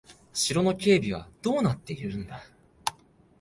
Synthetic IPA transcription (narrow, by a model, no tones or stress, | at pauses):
ɕiɾo̞no̞kʲe̞ːbʲiβ̞a̰d̪̥o̞ːnat̪ːe̞iɾɯ̟̃nd̪a